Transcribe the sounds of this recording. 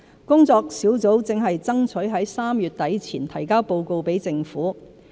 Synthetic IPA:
kʊ˥ŋt͡sɔː˧k̚siː˨˥wt͡so˨˥wt͡sɪ˨ŋɦɐ˨jt͡sɐ˥ŋt͡sʰɵ˨˥ɥɦɐ˨˥jsaː˥mjyː˨t̚t̪ɐ˨˥jt͡sʰiː˨˩nt̪ʰɐ˨˩jkaː˥wpo˧wko˧wpe˨˥jt͡sɪ˧ŋfuː˨˥

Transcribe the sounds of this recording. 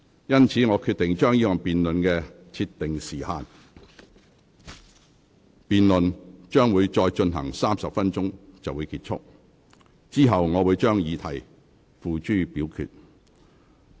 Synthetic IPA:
jɐ˥nt͡sʰiː˨˥ŋɔː˨˧kʰy˧t̪ɪ˨˩ŋt͡ʃœː˥ŋjiː˥ɔː˨ŋpiː˨nlɵ˨nkɛ˧ | t͡sʰi˧t̚t̪ɪ˨ŋsiː˨˩haː˨n | piː˨nlɵ˨nt͡ʃœː˥ŋwuː˨˧jt͡ʃɔː˧jt͡ʃɵ˧nɦɐ̰˨˩ŋsaː˥msɐ˨p̚fɐ˥nt͡ʃʊ˥ŋt͡sɐ˨wu˨˧jkiː˧t̚t͡ʃʰʊ̰˥k̚ | t͡siː˥ɦɐ˨wŋɔː˨˧wuː˨˧jt͡ʃœː˥ŋjiː˨˧t̪ʰɐ̰˨˩j | fuː˨t͡ʃyː˥piː˨˥wkʰy̰ː˧t̚

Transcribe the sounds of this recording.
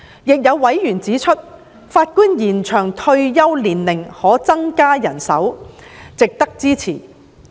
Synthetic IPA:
jɪ˨k̚jɐ˨˧wːɐ˨˥jjyː˨˩nt͡siː˨˥t͡ʃʰɵ˥t̚ | faː˧t̚kuː˥njiː˨˩nt͡ʃʰœː˨˩ŋt̪ʰɵ˧ɥjɐ˥wliː˨˩nlɪ˨˩ŋhɔː˨˥t͡sɐ˥ŋkaː˥jɐ˨˩nsɐ̰˨˥wt͡sɪ˨k̚t̪ɐ˥k̚t͡siː˥t͡sʰiː˨˩

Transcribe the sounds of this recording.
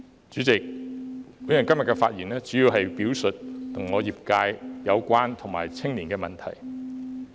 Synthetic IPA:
t͡ʃyː˨˥t͡sɪ˨k̚ | wu˨˥ɐ˨˩nkɐ˥mjɐ˨t̚kːɛː˧fa̰ː˧t̚jiː˨˩nlɛː˥t͡syː˨˥jiː˧wɦɐ˨jpiː˨˥wsɵ˨t̚t̪ʰʊ˨˩ŋːɔː˨˧jiː˨p̚kaː˧jjɐ˨˧wkʷaː˥nt̪ʰʊ˨˩ŋma̰ː˨˩jt͡sʰɪ˥ŋniː˨˩nkɛː˧mɐ˨nt̪ʰɐ̰˨˩j

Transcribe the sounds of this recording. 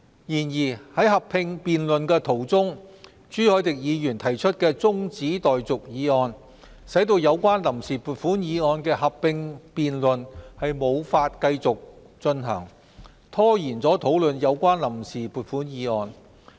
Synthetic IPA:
jiː˨˩njiː˨˩hɐ˨˥jɦɐ˨pʰːɪ˧ŋpiː˨nlɵ˨nkɛː˧t̪ʰo˨˩wt͡sʊ˥ŋ | t͡ʃyː˥hɔː˨˥jt̪ɪ˨k̚jiː˨˧jyː˨˩nt̪ʰɐ˨˩jt͡ʃʰɵ˥t̚kɛː˧t͡sʊ˥ŋt͡siː˨˥t̪ɔː˨jt͡sʊ˨k̚jiː˨˧ɔː˧n | sɐ˨˥jt̪o˧wjɐ˨˧wkʷaː˥nlɐ˨˩msiː˨puː˨t̚fuː˨˥njiː˨˧ɔː˧nkɛː˧hɐ˨pʰːɪ˧ŋpiː˨nlɵ˨nhɐ˨jmo˨˧wfaː˧t̚kɐ˧jt͡sʊ˨k̚ | t͡sɵ˧nɦɐ̰ː˨˩ŋ | t̪ʰɔː˥jiː˨˩nt͡sɔː˨˥t̪ʰo˨˥wlɵ˨njɐ˨˧wkʷaː˥nlɐ˨˩msiː˨˩puː˨˩t̚fuː˨˥njiː˨˧ŋɔː˧n

